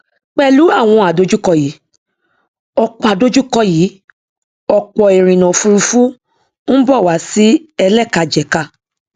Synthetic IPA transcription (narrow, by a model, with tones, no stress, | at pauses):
k͡pɛ˦˧lu˨˦a˦˨w̃ɔ̃˧a˨do˦d͡ʒu˦kɔ˧˨jiː˨˦ | ɔ˨k͡pɔ˨a˨do˦d͡ʒu˦˨kɔ˦jiː˨˦ | ɔ˨k͡pɔ˨e˨ɾ̃ĩ˨nã˨fu˧ɾu˧fu˦ | n̩˦bɔ˦˨wa˨˦si˦ɛ˧lɛ˦˨ka˧d͡ʒɛ˨ka˧˨